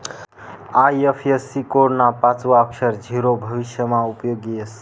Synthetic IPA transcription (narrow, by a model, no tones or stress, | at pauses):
ajepʰesikoɾnapat͡swaːksəɾd͡ʒʱiɾobʱəβisjəmaupjoɡies